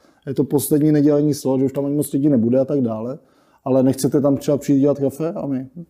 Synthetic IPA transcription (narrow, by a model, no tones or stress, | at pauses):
jɛt̪o̞po̞slɛdɲiːnɛɟɛlɛɲiːsloʒɛuʃt̪amaɲɪmot͡sɾiɟinɛbudɛat̪aɡdaːlɛ | ʔalɛnɛxt͡sɛt̪ɛt̪amt̪rɛbapriiːt̪ɟɛlat̪kafɛamɪ